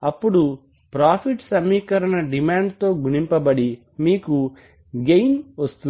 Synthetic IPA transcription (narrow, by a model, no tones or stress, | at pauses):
ɐpːuɽu | pɾaːpʰiʈsɐmːiːkɐɾɐɳɐɖimaːɳɖt̪o̞ːɡuɳimpɐbɐɽi | miːku | ɡejnʋɐst̪un